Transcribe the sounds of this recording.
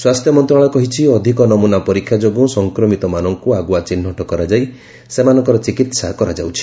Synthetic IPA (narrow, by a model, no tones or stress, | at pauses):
swast̪ʰjɔmɔnt̪ɾaɭɔkɔɦit͡ʃʰiɔd̪ʱikɔnɔmunapɔɾikʰːjad͡ʒoɡũsɔŋkɾɔmit̪ɔmanɔŋkuaɡuat͡ʃin̤ːɔʈɔkɔɾad͡ʒaj | semanɔŋkɔɾɔt͡ʃikit̪sakɔɾad͡ʒawt͡ʃʰi̥